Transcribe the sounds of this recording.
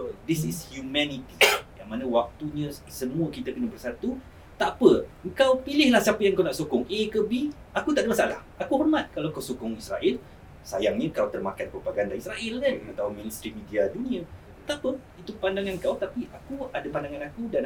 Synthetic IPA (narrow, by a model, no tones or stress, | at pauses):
d̪isishjumɛnit̪ijaŋmanəwak̚t̪uɲə̃səmũəkit̪əkənəbərsat̪u | t̪apəəŋkawpilɪhlahsiapəjãŋkawnaʔsokʊŋekəbi | akut̪aʔdəmasaalah | akuhɔrmat̪̚kalaŋkawsukʊŋisɾa̰ʔɛl | sa̰jaŋɲə̃kawt̪ərmakanpəbaɡaːndaɾisɾaʔɪləat̪auminst̪ɾimidiadunĩə | ət̪apə | it̪upandaŋãnŋkawt̪apiʔakuadapandaŋanakudan